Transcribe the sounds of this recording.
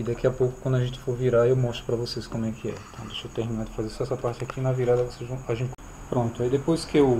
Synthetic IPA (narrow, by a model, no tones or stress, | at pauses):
id̪akiɐpowkʊ̥kwɐ̃d̪ʊɐʒẽnt͡ʃɪ̥foɾviɾaewmɔst̪ɾʊ̥pɾɐvoseskõmʊɛkʰɪɛ̰ĩt̪ɐ̃w̃d̪eʃɐt̪eɾminaɾd͡ʒɪfazeɾsɛsɐpaɾt͡ʃɪakinɐviɾad̪ɐvosezvɐ̃w̃aʒẽnt͡ʃɪ | pɾõt̪ʊaid̪epojskɪew